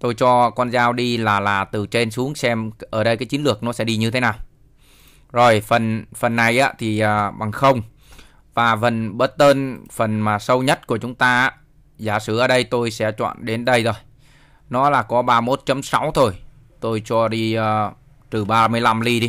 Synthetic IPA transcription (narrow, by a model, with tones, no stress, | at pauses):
t̪o˧jt͡ɕɔ˧kɔ˧nzaː˧wɗi˧laː˨˩laː˨˩t̪ɨ˨˩t͡ɕe˧nsu˨˦əŋsɛ˧mʔəː˧˩ɗə˧jkaː˨˦t͡ɕi˨˦lɨ˨˩ək̚nɔ˨˦sɛ̰˧˥ɗi˧ɲɨ˧t̪ʰe˨˦naː˨˩w | zo˨˩jfə˨˩nfə˨˩nːa˨˩jʔa̰ː˨˧˦t̪ʰi˨˩ʔəː˨˩ɓa˨˩ŋxə˧wŋ͡m | vaː˨˩və˨˩nɓə˦˥t̚t̪əː˧nfə˨˩nmaː˨˩sə˧wɲə˦˥t̚ku˧˩ət͡ɕʊ˨˦ŋ͡mt̪aː˧a˧˥ | zaː˧˩sɨ˧˩ʔəː˧˩ɗə˧jt̪o˧jsɛ̰˧˥t͡ɕwa̰ː˧˨nɗe˨˦nɗə˧jzo˧j | nɔ˨˦laː˨˩kɔ˨˦ɓaː˧mo˦˥t̚t͡ɕə˨˦msa˨˦wt̪ʰo˧j | t̪o˧jt͡ɕɔ˧ɗi˧əː˧ | t̪ɨ˨˩ɓaː˧mɨ˧əjla˧mli˧ɗi˧